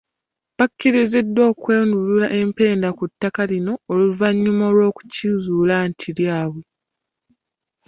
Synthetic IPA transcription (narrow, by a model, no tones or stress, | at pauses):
bakːiɾize̞dːo̞ːkwe̞ːndululaʔe̞mpe̞ːndakutːakalino̞ːluvaɲːumolo̞ːku̥cizuːlantʰiljaːwe